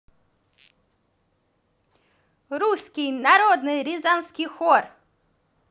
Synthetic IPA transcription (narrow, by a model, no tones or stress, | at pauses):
ɾuskʲijnaɾɔd̪nɨɾʲizanskʲijxɔr